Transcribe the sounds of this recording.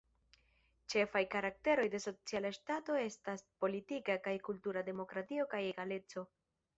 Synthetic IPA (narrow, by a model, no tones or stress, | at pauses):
t͡ʃe̞fajkaɾak̚te̞ɾo̞jde̞so̞t͡sialaʃtato̞e̞staspo̞litikakajkultuɾade̞mo̞kɾatio̞kaje̞ɡale̞t͡so̞